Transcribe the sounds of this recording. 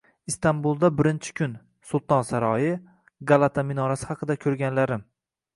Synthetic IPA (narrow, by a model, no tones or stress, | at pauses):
ist̪anbulˠd̪abɪɾɪnt͡ʃʰɪ̥kʲʰʊn | sʊlˠt̪ʰɒnsaɾɒjɪ | ɡalˠat̪ʰamɪnɒɾasɪhɑqɨd̪akʲʰɵɾɡʲanlaɾɪm